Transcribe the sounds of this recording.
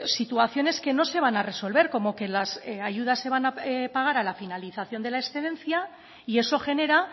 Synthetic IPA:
sit̪uaθjo̞ne̞ske̞no̞se̞β̞anare̞so̞lβe̞ɾko̞mo̞ke̞lasaʝuð̞asːe̞β̞anapaɣ̞aɾalafinaliθaθjo̞nd̪e̞laeksθeðe̞nθja | ie̞so̞xe̞ne̞ɾa

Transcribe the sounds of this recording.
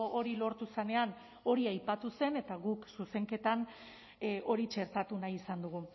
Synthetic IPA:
ʔoɾilo̞ɾt̪use̞ne̞an | o̞ɾiajpat̪use̞ne̞t̪aɣuksuse̞ŋke̞t̪an | ʔo̞ɾit͡ʃe̞ɾt̪at̪unajisand̪uɣ̞u

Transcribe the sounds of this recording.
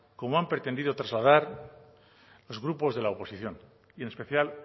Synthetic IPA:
ko̞moampɾet̪e̞nd̪iðo̞t̪ɾazlað̞aɾ | lo̞zɣɾupo̞zðe̞laopo̞siθjo̞n | ie̞ne̞spe̞θjal

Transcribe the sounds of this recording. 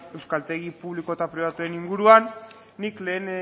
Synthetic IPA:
e̞wskalt̪e̞ɣ̞ipuβliko̞et̪apɾiβ̞at̪ue̞niŋɡuɾuanː | ikle̞ːn

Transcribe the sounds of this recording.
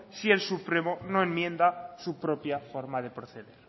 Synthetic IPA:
sie̞lsupɾemonoemmːjẽ̞nd̪asupɾopjafoɾmaðe̞pɾoθeðeɾ

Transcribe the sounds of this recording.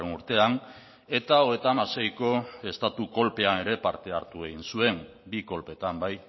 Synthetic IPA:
enuɾt̪e̞an | e̞t̪aoɣe̞t̪amase̞jko̞e̞st̪at̪uko̞lpe̞ane̞ɾe̞paɾt̪e̞aɾt̪ue̞ɣinsue̞m | biko̞lpe̞t̪ambaj

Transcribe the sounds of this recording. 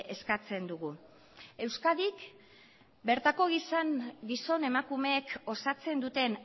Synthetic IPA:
e̞skat͡se̞nd̪uɣu | e̞wskaðik | be̞ɾt̪ako̞ɣisaŋɡiso̞ne̞makume̞ːko̞sat͡se̞nd̪ut̪e̞n

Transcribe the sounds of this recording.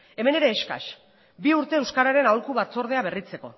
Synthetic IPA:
e̞me̞ne̞ɾe̞ːʃka̰ʃ | biuɾt̪e̞ːwskaɾaɾe̞nawlkuβat͡so̞ɾðe̞aβe̞rit͡se̞ko̞

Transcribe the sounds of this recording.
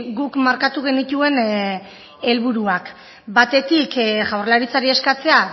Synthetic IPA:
ɡukmaɾkat̪uɣ̞e̞nit̪ue̞n | e̞lβuɾuak | bat̪e̞t̪ikʝawrlaɾit͡saɾie̞skat͡se̞a

